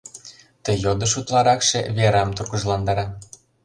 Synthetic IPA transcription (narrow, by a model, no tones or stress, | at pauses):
t̪əjod̪ə̆ʃut̪lɑɾɑkʃeβeɾɑmt̪urɣəʒlɑnd̪ɑɾɑ